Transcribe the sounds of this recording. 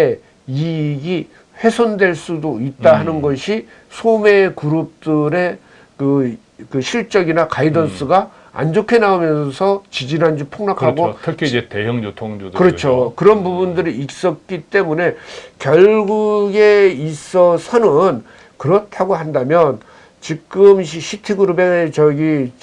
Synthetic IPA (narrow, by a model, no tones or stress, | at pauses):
e | iɡi | ɸe̞sʰondwe̞ɭs͈udoit̚t͈aɦanɯnɡʌɕʰi | sʰome̞kuɾop̚t͈ɯɾe̞ | kɯ | kɯɕʰiɭt͡ɕ͈ʌɡinakaidʌns͈ɯɡa | a̰nd͡ʑokʰe̞naomjʌnsʰʌt͡ɕid͡ʑinɦand͡ʑipʰoŋnakʰaɡotʰkʰiid͡ʑetejʌŋd͡ʑotʰoŋokɯɾʌt͡ɕʰokɯɾʌnbubundɯɾiik̚s͈ʌk̚k͈it͈e̞mune̞kjʌɭɡuɡe̞is͈ʌsʰʌnɯn | kɯɾʌtʰaɡohandamjʌn | t͡ɕik͈ɯmɕiɕʰitʰiɡuɾubet͡ɕʌɡi